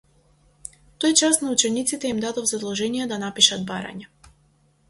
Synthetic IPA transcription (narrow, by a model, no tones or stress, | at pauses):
t̪ojt͡ʃast̪naut͡ʃɛnit̪sit̪ɛimd̪ad̪ɔvzad̪lˠɔʒɛnijɛd̪anapiʃad̪̚baɾa̰ɲa